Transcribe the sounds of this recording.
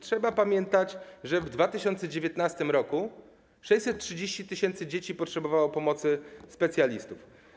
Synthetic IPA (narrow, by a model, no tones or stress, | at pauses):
tʂɛbapamʲjɛnt̪at͡ɕʐɛvd̪vat̪ɘɕɔnt̪sɛd͡ʑevʲjet̪nast̪ɘmɾɔku | ʂɛjsɛt̪̚tʂɘd͡ʑeɕt͡ɕit̪ɘɕɛnt̪sɘd͡ʑet͡ɕipɔtʂɛbɔvawɔpɔmɔt̪sɘspɛt̪sʲjalʲist̪uf